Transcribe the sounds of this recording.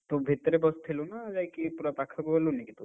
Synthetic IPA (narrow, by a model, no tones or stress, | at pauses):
t̪obʱit̪ɾebɔst̪ʰelonad͡ʒajkipuɾapakʰakuɦelunekit̪u